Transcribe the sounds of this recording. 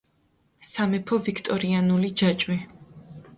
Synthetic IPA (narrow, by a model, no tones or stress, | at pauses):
samɛpʰɔvikʰt̪ʼɔɾianulid͡ʒat͡ʃʼwi